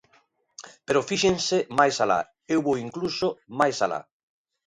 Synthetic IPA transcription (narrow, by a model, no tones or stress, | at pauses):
peɾofiʃẽnsemajsala̰ | ewβowiŋklusomajsala̰